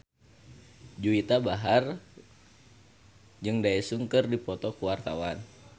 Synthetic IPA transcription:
d͡ʒuit̪abaɦar | d͡ʒɨŋdaɛsuŋkɨrdipɔt̪ɔkuwart̪a̰wan

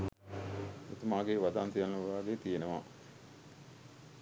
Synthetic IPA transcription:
ḭt̪umaːɡeːʋad̪ant̪ijanːəʋaːɡeːt̪ijenəʋa̰

